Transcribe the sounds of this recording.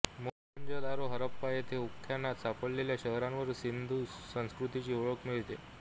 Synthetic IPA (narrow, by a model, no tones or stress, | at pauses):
mo | ənd͡ʑəd̪aɾoɦəɾəpːajet̪ʰeukʰːjanːat̪sapəɭleljaɕəɦɾãnʋəɾsind̪ʱuːsə̃w̃skɾut̪it͡ɕiːoɭəkmiɭt̪ḛ